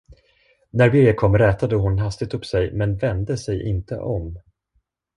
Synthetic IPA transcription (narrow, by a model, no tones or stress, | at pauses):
næɾbɪɾjəkʰɔmːɾɛːt̪ad̪əhʊnɦast̪ɪɡ̚t̪ɵpːsɛjmɛnvɛnd̪əsɛjʔɪ̰nt̪ʰə̰ʔɔm